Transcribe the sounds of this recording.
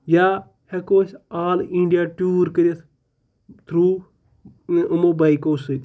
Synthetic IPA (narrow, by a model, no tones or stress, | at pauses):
ja | hekoːsaːlĩɳɖijaʈuːɾkəɾɐs | t̪ʰɾuː | mobaikoːsɨt̪ʲ